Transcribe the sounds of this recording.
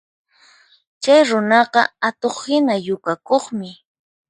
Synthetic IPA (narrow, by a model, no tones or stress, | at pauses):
t͡ʃajɾʊnɑɢɑ̰at̪oχhɪnajʊkakoχmɪ